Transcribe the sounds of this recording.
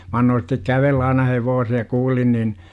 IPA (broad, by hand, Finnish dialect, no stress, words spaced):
mæ ɑnːoːn̞ stek kæʋelːæ ɑinɑ heʋoːse jɑ kuːlin nin